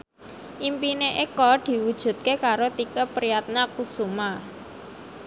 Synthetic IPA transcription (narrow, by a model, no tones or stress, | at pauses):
ʔimpineʔekɔd̪̥i̤wud̥ʒ̥ṳt̪̚kekaɾot̪ikəpɾijat̪̚nakusuma